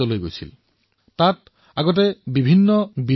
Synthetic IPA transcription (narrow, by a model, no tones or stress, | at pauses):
ɔlojɡojsʰḭl | tat | aɡɔt̬ɛbibʱinːɔbi